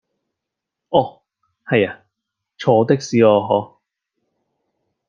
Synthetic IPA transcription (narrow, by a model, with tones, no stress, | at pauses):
ʔɔː˧˩ | hɐ˨jaː˨˧ | t͡ʃʰɔː˨˧˥t̪ɪ˥k̚siː˨˧ɔː˧ɦɔː˨˥